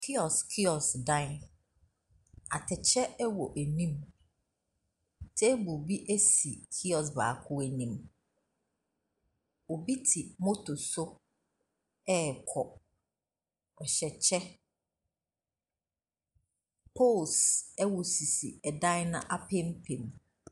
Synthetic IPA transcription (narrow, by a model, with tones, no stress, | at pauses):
kʰi˦ɔ˨skʰi˦ɔ˨sdã˦ | a˨tʰɛ˨t͡ɕʰɛ˦ɛ˦wɔ˨ʔæ˨nĩ˦m | tʰɛ˦bu˨bi˦ʔæ˦si˨kʰi˦ɔ˨s̬ba̰ː˨kʰʊ˦æ˨nĩ˦˨m | o˨bi˦tʰɪ˨mo˦tʰo˨sʊ˦ | ɛ˦˨kʰɔ˨ | ɔ˨ɕɛ˨t͡ɕʰɛ˦ | pʰo˦˨lsɛ˦wɔ˨si˨si˨ɛ˨dã˦n˦nã̰˦ʔa˦pʰẽ˦mpʰẽ˨m